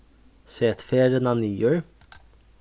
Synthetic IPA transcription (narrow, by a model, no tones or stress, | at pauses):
seːt̪feːɾənɑniːøɹ